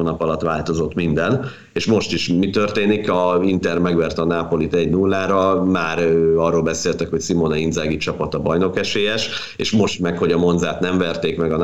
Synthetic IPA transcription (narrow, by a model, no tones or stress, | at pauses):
oːnɒpɒlɒt̪ʋaːlt̪o̞zo̞t̪mind̪ɛn | eːʃmo̞ʃt̪iʃmit̪ø̞rt̪eːnikɒint̪ɛrmɛɡʋɛrt̪ɛɒnaːpo̞lit̪ɛɟnulːaːɾɒmaːɾøɒrːolbɛseːlt̪ɛkho̞csimonɒind̪zaːɡit͡ʃɒpɒt̪ɒbɒjno̞kɛʃeːjɛʃ | ḛːʃmo̞ʃt̪mɛkho̞ɟɒmo̞nd̪zaːt̪nɛɱvɛrt̪eːkmɛɡɒn